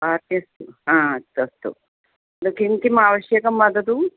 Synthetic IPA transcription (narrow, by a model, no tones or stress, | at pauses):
at̪jɐst̪uɦãːɐst̪uɐst̪ṵ | d̪ukint̪imaːʋɐɕjɐkɐmːɐd̪ɐd̪u